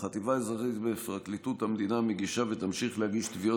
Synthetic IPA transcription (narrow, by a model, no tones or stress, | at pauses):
χat̪ivaezaʁit̪befʁaklit̪ut̪hamd̪inameɡiʃavet̪amʃiχlehaɡiʃt̪vio